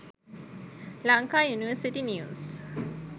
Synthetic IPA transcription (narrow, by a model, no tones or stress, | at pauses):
laŋkaːjuniʋəsiʈinis